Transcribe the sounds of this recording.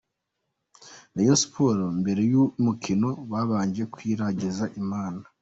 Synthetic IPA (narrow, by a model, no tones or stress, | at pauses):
najosu̥pʰoɾombe̞ɾe̞jumukʰino̞βaβaːɲd͡ʒekwiːɾaɟizaʔimaːna